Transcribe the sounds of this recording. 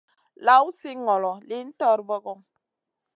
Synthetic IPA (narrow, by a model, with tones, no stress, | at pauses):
la˨˦u˦si˦ŋɔ˨lɔ˨li˨˦n̩˦tɔ˦ɾbɔ˦ɣɔ˦